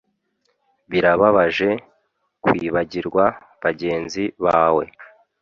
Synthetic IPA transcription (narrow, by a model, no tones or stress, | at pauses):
βiɾaβaβaʒe̞ | kwiːβaɟiɾɡwa | βaɟe̞ːnziβaːwe̞̰